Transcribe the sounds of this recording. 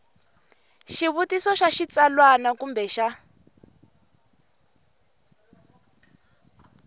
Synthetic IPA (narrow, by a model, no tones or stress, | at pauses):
ʃiβutisɔʃaʃit͡salwanakumbɛʃa